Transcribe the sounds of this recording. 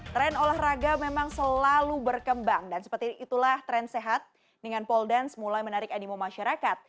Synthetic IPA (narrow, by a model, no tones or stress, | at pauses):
t̪ɾɛnolɛhraɡamemaŋsəlalubərkəmbaŋdansə̥pərt̪iʔit̪ulaht̪ɾɛnseɦat̪̚ | dəŋanpɔldɛnsmulajmənaɾɪkanimomaʃaɾakat̪̚